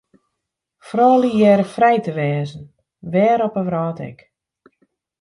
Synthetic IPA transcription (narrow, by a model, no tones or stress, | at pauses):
frɔːlijɛɾəfrɛjtəʋɛːzən̩ | ʋɛːɾɔpəʋrɔːtɛ̰k